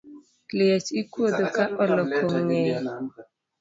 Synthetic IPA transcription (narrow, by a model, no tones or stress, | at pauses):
liat͡ʃikwod̪okaʔɔlɔkʰoŋɲɛj